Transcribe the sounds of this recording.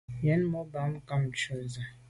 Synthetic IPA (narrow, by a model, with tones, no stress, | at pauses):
jɛ˦n˦mɔ˦ba˨˦m˦ka˦m˨t͡ʃo˨za˨